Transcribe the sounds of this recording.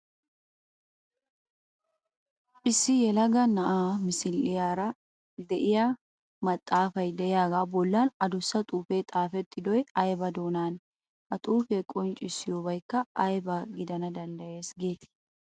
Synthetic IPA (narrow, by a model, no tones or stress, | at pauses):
ʔɪsːɪjɛlɐɡɐnɐʔaːmɪsɪlɪjaːɾɐ | d̪ɛʔɪja | mɐt̪ʼːaːfɐjd̪ɛʔɪjaːɡaːbɔlːaːnɐd̪ʊsːɐt̪ʼuːfe̞ːt̪ʼaːfɛt̪ːɪd̪ɔjɐjbɐd̪o̞ːnaːn | ʔɐt̪ʼuːfɛkʼɔnt͡ʃʼɪsːɪjoːbɐjkːɐʔɐjbɐɡɪd̪ɐnɐd̪ɐnd̪ɐje̞ːsɡeːt̪ɪ̥